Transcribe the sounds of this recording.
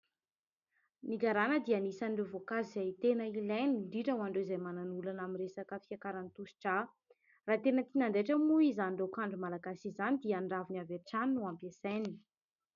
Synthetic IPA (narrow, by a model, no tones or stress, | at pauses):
niɡaɾanəd̪ianisaniɖ͡ʐevokazizajt̪enəilajniɳɖ͡ʐiʈ͡ʂəwaɳɖ͡ʐeizajmananulanaminresakəfiakaɾanit̪usi̥ʈ͡ʂa | raːt̪enət̪inaɳɖ͡ʐeʈ͡ʂəmuizanɳɖ͡ʐekaɳɖ͡ʐumalaɡasizanid̪iəaɳɖ͡ʐavinaveʈ͡ʂaninuampesajni